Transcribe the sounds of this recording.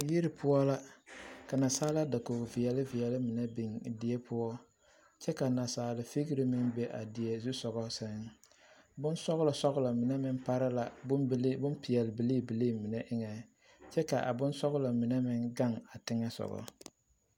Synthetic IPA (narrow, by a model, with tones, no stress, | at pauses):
ji˦ɾɪ˨pʰʊ˦ɔ˦la˦ka˨na˨saː˦la˦da˨ko˨vɪ˨ɛ˨lɪ˦vɪ˨jɛ˨lɪ˦mɪ˨nɛ˦bi˨ŋ˨dɪ˨ɛ˦pʰʊ˦ɔ˦ | t͡ʃɛ˦ka˨na˨saː˨lɪ˨fi˦ɣɪ˦ɾɪ˦mɪ˦nbe˦ʔa̰˨dɪ˨ɛ˨zu˦sɔ˨ɣɔ˦sɛ˦ŋ | bʊ˦nsɔ˦ɣla˨sɔ˦ɣla˨mɪ˨nɛ˦mɪ˦npa˦ɾa˦la˨blbʊ˦npɪ˨jɛ˨lɪ˨bi˨liː˦bi˨liː˦˨mɪ˨nɛ˦ʔɪ˦ŋɛ˨ | t͡ʃɛ˦ka˨ʔa̰˨bʊ˦nsɔ˦ɣʊ˦la˨mɪ˨nɛ˦mɪ˦ŋɡa˦ŋa˨tɪ˦ŋɛ˦sɔ̰˨ɣɔ̰˨